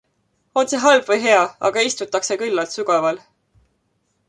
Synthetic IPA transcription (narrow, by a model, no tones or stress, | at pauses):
o̞nseɦɑlbvɤjɦe̞ɑɑ̰ɡ̥ɑist̪ut̪ːˑɑkse̞kylːɑlt̪syɡ̥ɑvɑl